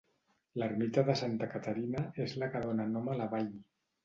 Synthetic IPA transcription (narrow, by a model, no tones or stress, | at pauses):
larmit̪aðəsant̪akat̪aɾinaezlakaðonanomalaβaʎ